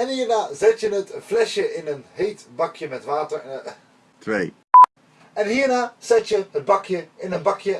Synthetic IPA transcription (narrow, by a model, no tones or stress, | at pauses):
ɛnɦiːɹnaːzɛtjənətflɛʃjəʔɪnənɦejtbɑkjəmɛtʋaːtəɹn | tʰʋḛj | ɛnɦiːɹnaːz̥ɛtjəɦəd̚bɑkjəɪnənbɑkjə